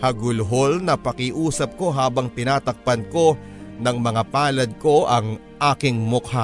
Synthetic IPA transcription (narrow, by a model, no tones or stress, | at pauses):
hɐɡʊlɦolnɐpɐkɪʔuːsɐp̚ko̞ɦaːbɐŋt̪ɪnaːt̪ɐk̚pɐnko̞ | nɐŋmɐŋapaːlɐd̪̚ko̞ʔɐŋ | ʔaːkɪŋmʊk̚ha